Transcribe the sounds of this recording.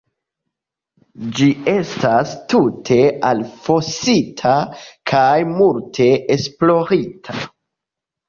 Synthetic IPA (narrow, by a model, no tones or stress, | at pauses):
d͡ʒie̞stastutʰe̞alfo̞sitʰakʰajmultʰe̞esplo̞ɾitʰa